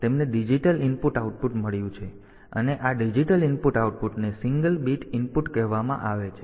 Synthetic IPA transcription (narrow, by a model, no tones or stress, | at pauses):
t̪emneɖid͡ʒiʈəlɪnpuʈauʈ̚puʈməɭjũt͡ʃʰe | ə̰neʔaɖid͡ʒiʈəlinpuʈauʈ̚puʈnesiŋɡəlbiʈɪnpuʈkɛɦʋamã̰ʔaʋet͡ʃʰe